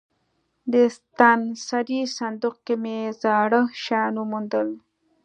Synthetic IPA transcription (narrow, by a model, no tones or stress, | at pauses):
d̪əst̪ansaɾisand̪uqkemezɑːɽəhʃɑnumund̪əl